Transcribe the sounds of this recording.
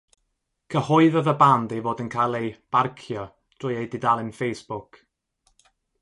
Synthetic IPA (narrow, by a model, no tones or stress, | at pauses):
kʰəhʊɨðəðəbandivoːdənkʰajlˠejb̥arkʰjɔ | d̥rʊjejdɪdalˠɪnfejsb̥ʊk